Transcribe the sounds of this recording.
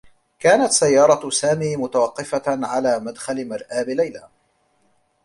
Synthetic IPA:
kaːnat̪sajːɑːɾˤɑsaːmiːmʊt̪awɑqːɪfaʕalaːmad̪xalɪmɪɾˤʔaːbɪlajlaː

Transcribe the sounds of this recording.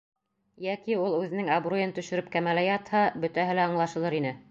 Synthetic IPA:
jækiulˠʉðɘ̆nɘŋɐbrojɤnt̪ɵ̆ʃɵ̆ɾɘp̚kæmælæjɑt̪hɑbɵ̆t̪æɦɘlæɑɴlˠɑʃɤ̆lˠɤɾinɘ

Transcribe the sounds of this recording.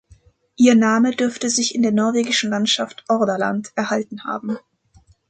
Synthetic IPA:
ʔiːɐnaːmədʏɐftəzɪçɪndeːɐnɔɐveːɡɪʃn̩lantʃaftʔɔɐdɐla̰ntʔɛɐhaltn̩ha̰ːbm̩

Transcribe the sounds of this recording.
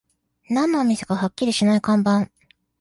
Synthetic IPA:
nãnːoːmʲise̥kahakʲːiɾʲiɕinaikãmbãŋ

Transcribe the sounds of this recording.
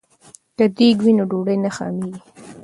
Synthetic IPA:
kad̪iɡwinoɖoɽəjnaxɑ̰miɡi

